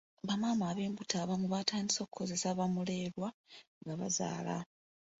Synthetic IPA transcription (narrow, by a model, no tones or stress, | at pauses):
βamaːmaːβe̞ːmbutaβamuβataːndiso̞ːku̥ko̞ze̞saβamule̞ːɾwaŋɡaβa̰za̰ːla̰